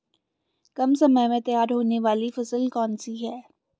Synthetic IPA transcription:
kɐmsɐməɦmẽt̪ɐjaːɾɦoːneʋaːlifɐsəlkɔːnsiɦɛː

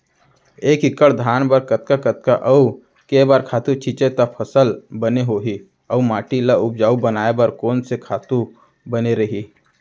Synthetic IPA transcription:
eːkɪkəɽd̪ʱaːnbəɾkət̪kakət̪kaʔɐu | kebaːɾkʰaːt̪ũt͡ʃʰit͡ʃet̪ɐpʰəsəlbəneɦoːɦi | əumaːʈilaʊb̚d͡ʒaːubənaːebɐɾkoːnsekʰaːt̪u | bəneɾɐɦi

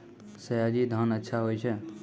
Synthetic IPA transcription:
səjad͡ʒid̪ʱanətːʃʰaɦojt͡ʃʰe

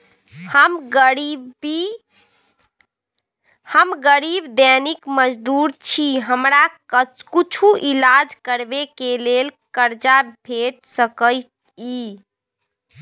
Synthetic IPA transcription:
həm | i | həmɡəɾibd̪ɛnikməd͡ʒd̪uɾt͡ʃʰiɦəmɾakut͡ʃʰuʔilad͡ʒkəɾbekelelkəɾd͡ʒabʱeʈ̚səkəɪt̪ | i

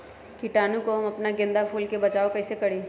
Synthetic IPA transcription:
kiʈaːnũkoɦɐmɐpnaɡɪ̃nd̪apʰuːlkebɐt͡ʃaːokɛːsekɐɽĩː

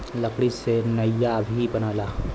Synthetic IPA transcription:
lɐkɽisenɐjabʱibɐnaːlaː

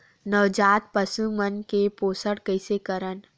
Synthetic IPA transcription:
nəʋd͡ʒaːt̪̚pɐsumənkepoːsəɽkɐɪsekəɾən

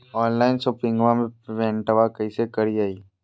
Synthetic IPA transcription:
ɔːnlaːɪnsopɪ̃ŋɡʋamẽʋẽːɳʈəʋakɐisekɐɾiaːiː

